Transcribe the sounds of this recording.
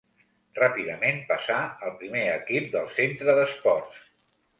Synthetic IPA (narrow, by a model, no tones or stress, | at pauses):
rapiðəmenpəsaəlˠpɾimeəkip̚d̪əlˠsent̪ɾəðəspɔrs